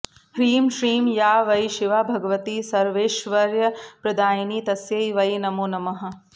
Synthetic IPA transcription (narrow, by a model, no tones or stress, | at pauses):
hɾiːmʃɾiːmjaːʋɐjʃiʋaːbʱɐɡɐʋɐt̪isɐɾʋeːʃʋɐɾjɐpɾɐd̪aːjɐniːt̪ɐsjɐjʋɐjnɐmoːnɐmɐɦɐ̆